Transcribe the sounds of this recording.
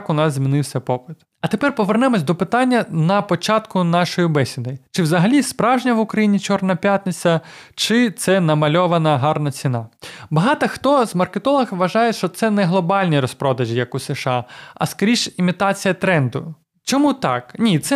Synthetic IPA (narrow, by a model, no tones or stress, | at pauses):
kʊnɑzzʲmʲinɪwsʲɐpɔpɪt̪ | ɐt̪epɛrpɔʋernɛmɔsʲd̪ɔpɪt̪ɑnʲːɐnɐpɔt͡ʃɑt̪kʊnɑʃɔjibɛsʲɪd̪ɪt͡ʃɪwzɐɦɐlʲispɾɑwʒnʲɐʋʊkɾɐjinʲit͡ʃɔrnɐpʲjat̪ʲnet͡sʲɐt͡ʃɪt̪sɛnɐmɐlʲɔʋɐnɐɦɑrnɐt͡sʲinɑbɐɦɑt̪ɐxt̪ɔzmɐrket̪ɔlˠɐɣʋɐʒɑjɛʃt͡ʃɔt̪sɛnɛɦlˠɔbɑlʲnʲiɾɔspɾɔd̪ɐʒʲijɐkʊseʃɑɐ̰skɔɾʲiʃimʲit̪ɑt͡sʲijɐt̪ɾɛnd̪ʊ | t͡ʃɔmut̪ɑknʲit̪sɛ